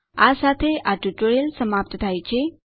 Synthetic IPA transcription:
asat̪ʰeʔaʈuʈoɾelsəmap̚t̪ʰt̪ʰajt͡ʃʰe

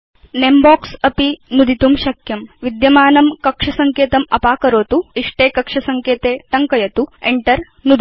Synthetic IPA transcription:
nembɔːksɐpinud̪ʱit̪umʃɐkʰjɐmʋid̪jɐmaːnɐmkɐkʂɐsɐŋkeːt̪ɐmɐpaːkɐɾoːt̪uiʂʈeːkɐkʂɐsɐŋkeːt̪eːʈ̪ɐŋkɐjɐt̪ueɳʈɐɾ | nud̪ʱ

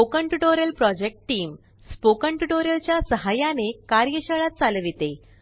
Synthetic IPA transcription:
okəɳʈuʈoɾjəlpɾɔd͡ʑek̚ʈʈiːm | spokəɳʈuʈoɾjəlt͡ɕjasəɦajanekaɾjəɕəɭat̪̚t͡salʋit̪e

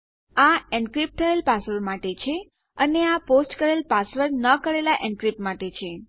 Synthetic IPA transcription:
aɛ̃ɳɖkɾip̚t̪ʰəelpasʋəɾmaʈet͡ʃʰe | əneaposʈkəɾelpasʋəɾnəkəɾelaʔɛ̃ɳɖkɾip̚maʈet͡ʃʰe

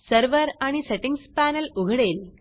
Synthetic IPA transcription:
sɐɾʋɐɾɐɳiseʈːiŋspaːnɐlʊɣɐɽeːl

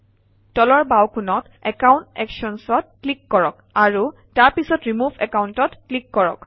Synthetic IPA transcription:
tɔlɔɹbawkʰunɔt | ɛkawntɛkʃɔnsɔt̚klikːɔɹɔk | aɹu | taɹpisɔtɹimubʱɛkawntɔtklikːɔɹɔ̰k

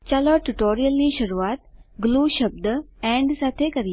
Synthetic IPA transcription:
t͡ɕaːloʈuʈoːɾijəlniʃɐɾuaːt̪ɡluːʃɐb̚d̪ɛ̃ɳɖsaːt̪ʰekɐɾi

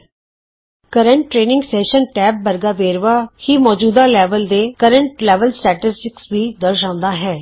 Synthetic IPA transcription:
kəɾəɳʈːɾeːnɪ̃ŋɡsɛːʃənʈɛːb̚bəɾɡaːbeːɾʋaːhiːmɔːd͡ʒuːd̪aːlɛːʋəld̪eːkəɾəɳʈlɛːʋəlsʈɛːʈɪsʈɪksʋiːd̪əɾʃãːʊ̃nd̪aːɦɛː

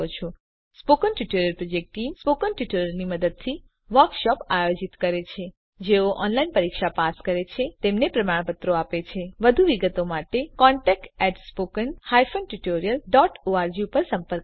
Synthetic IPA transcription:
ot͡ʃʰo | spokənʈuʈoɾijəlpɾod͡ʒek̚ʈʈimspokənʈuʈoɾəlniməd̪əd̪̚t̪ʰi | ʋəɾkʃɔpajod͡ʒit̪kəɾet͡ʃʰe | d͡ʒeoʔɔ̰nlainpəɾikʃapaskəɾet͡ʃʰet̪emnepɾəmaɳ̃pət̪ɾoapet͡ʃʰeʋəd̪ʱuʋiɡət̪omaʈekɔɳʈɛk̚ʈɛʈspokənhajfənʈuʈoɾijəlɖɔʈoaɾd͡ʒiupəɾsəmpəɾk

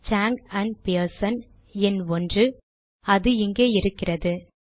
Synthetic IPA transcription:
t͡ʃaːŋɡɐnpiɐɾsɐn | ɛnɔndrɯ | ɐðɯɪŋɡeːɪɾɯkːɪrɐðɯ

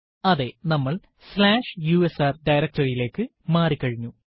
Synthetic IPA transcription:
ɐðe̞nɐmːɐɭ | slaːʂjuːesaːrɖɐjɾɐk̚ʈɐrijile̞ːkːɨ | maːrikːɐɻiɲːu

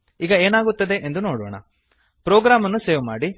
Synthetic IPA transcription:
iːɡɐeːnaːɡut̪ːɐd̪e̞ʔend̪uno̞ːɽo̰ːɳɐ̰ | pɾoːɡɾaːmɐnːuseːʋuma̰ːɽi

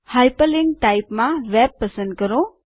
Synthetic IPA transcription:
hajpəlɪŋɡ̚ʈaipmãʋɛb̚ːəsə̃nd̪̚kəɾo

